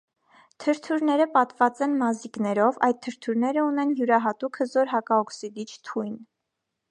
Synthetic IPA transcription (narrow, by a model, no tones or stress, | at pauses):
t̪ʰəɾt̪ʰuɾnɛɾəpɑt̪vɑt͡sɛnmɑziknɛɾɔvɑjd̪̚t̪ʰəɾt̪ʰuɾnɛɾəunɛnjuɾɑɦɑt̪ukʰhəzɔɾɦɑkɑɔksid̪it͡ʃʰt̪ʰujn